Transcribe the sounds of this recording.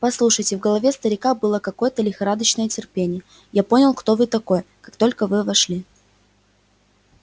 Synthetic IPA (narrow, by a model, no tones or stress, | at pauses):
pɐslˠuʂəjtʲɪvɡəlˠɐvʲest̪əɾʲɪkabɨlˠəkɐko̞jət̪əlʲɪxɐɾad̪əɕnəjətʲɪrpʲenʲɪjə | japo̞nʲɪlˠkt̪o̞vɨt̪ɐko̞jəkakt̪o̞lʲkəvɨvɐʂlʲi